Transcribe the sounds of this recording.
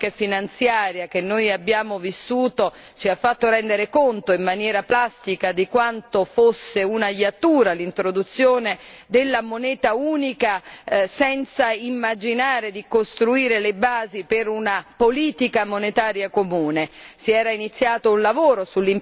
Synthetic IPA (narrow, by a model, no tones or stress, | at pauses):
efinant̪sjaːɾjak̟enːojabːjaːmovisːuːt̪o | t͡ʃiafːat̪ːoɾɛnd̪eɾekont̪oimːanjɛːɾaplast̪ikad̪ikwant̪ofosːeunajːat̪ːuːɾalint̪ɾod̪ut̪sːjoːne | d̪elːamonɛːt̪auːnikasɛnt̪saimːad͡ʒinaːɾed̪ikost̪ɾuiːɾelebaːzipeɾunapoliːt̪ikamonet̪aːɾjakomuːnesiɛːɾainit̪sːjaːt̪ounlavoːɾosulːim